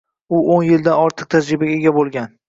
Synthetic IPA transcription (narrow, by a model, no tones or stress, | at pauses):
ʊonjɪld̪anɒɾt̪ʰɨq̚t̪ʰad͡ʒɾɪbaɡʲaeɡʲabolˠɡʲan